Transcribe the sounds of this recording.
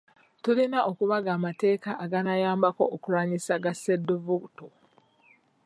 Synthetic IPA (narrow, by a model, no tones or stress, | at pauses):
tulinaʔokuβaɡaːmate̞ːkaʔaɡanajaːmbako̞ʔːkuɾaːɲisaɡaseduvukto